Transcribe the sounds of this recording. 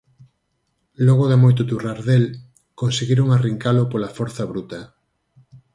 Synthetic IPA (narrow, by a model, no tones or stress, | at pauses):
lɔɣ̞oðamojt̪ot̪uraɾðel | konseɣiɾoŋariŋkalopolafɔɾθɐβɾut̪ɐ